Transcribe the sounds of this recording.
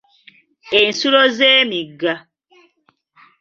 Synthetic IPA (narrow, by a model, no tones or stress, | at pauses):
en̩suɾozemiɡa